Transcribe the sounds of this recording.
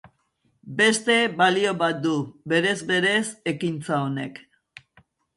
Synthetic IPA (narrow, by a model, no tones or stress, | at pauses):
be̞st̪e̞βalio̞βat̪̚d̪ube̞ɾe̞zβe̞ɾe̞se̞kint͡sao̞ne̞k